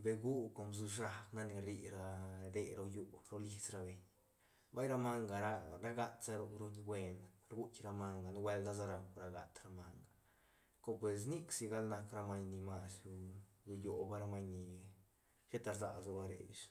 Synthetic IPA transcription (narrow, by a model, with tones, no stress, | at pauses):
be˨ɡu˦ko˨mbz̬u˧ʂa˦kna˦ni˧ɾi˧ɾa˧d̪e˧ɾo˧ju˧ɾo˦li˦t͡sɾa˧be˨ɲ | ba˦jɾa˧ma˦ŋɡa˨ɾa˦˧ɾa˦ɡa˧t̪sa˦ɾu˧ɾu˧˦ɡwe˧nɾɡu˦t͡ʃɾa˧ma˧ŋɡa˨n˦we˧ld̪a˦za˦ɾa˧ɾa˧ɡa̰˨t̪ɾa˧ma˧ŋɡa˨ | ko˦˧pwe˨s̬ni˦ksi˧ɡa˦lna˧kɾa˧ma˧ɲni˧ma˧su˧ɾu˧jo˨ba˦ɾa˧ma˧ɲni˧ | ʃe˦t̪a˧ɾza̰˨za˧ba˧ɾḛ˨jʃ